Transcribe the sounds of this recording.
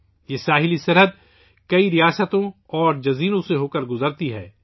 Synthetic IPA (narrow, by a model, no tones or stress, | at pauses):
jeːsaːɦɪlisɐɾɦəd̪̚ | kɐiɾijaːsət̪õ | ɔːɾd͡ʒɐziːnõseɦoːkəɾɡʊzəɾt̪iɦɛ̰ː